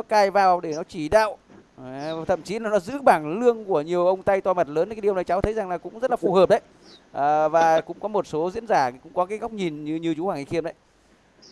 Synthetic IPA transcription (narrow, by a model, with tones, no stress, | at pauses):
nɔ˨˦kaː˧jvaː˨˩wɗe˧˩nɔ˨˦t͡ɕi˧˩ɗa̰ː˧˨wʔ | t̪ʰə̰˧˨mt͡ɕi˨˦laː˨˩nɔ˨˦zɨ̰˧˥ɓaː˧˩ŋlɨ˧əŋku˧˩əɲi˨˩əwʔə˧wŋ͡mt̪a˧jt̪waː˧˩mə˨˩t̚ləː˨˦n˨aː˨˦i˨əwn˨˩jt͡ɕa˨˦wt̪ʰə˨˦jza˨˩ŋlaː˨˩kʊ̰˧˥ŋ͡mzə˦˥t̚laː˨˩fu˧˩həː˨˩p̚ɗə˨˦j | ʔəː˨˩vaː˨˩kʊ̰˧˥ŋ͡mkɔ˨˦mo˨˩t̚so˨˦zḭ˧˥ənzaː˧˩kʊ̰˧˥ŋ͡mkɔ˨˦kaː˨˦jɣa˦˥wk͡p̚ɲi˨˩nɲɨ˧ɲɨ˧t͡ɕu˨˦hwaː˧˩ŋʔi˨˧˩xi˧əmnɗə˨˦j